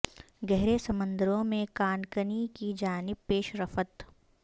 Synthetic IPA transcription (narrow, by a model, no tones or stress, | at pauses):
ɡɛɦɾesɐmə̃nd̪əɾõmẽkaːnkənikid͡ʒaːnɪbpeːʃɾəfət̪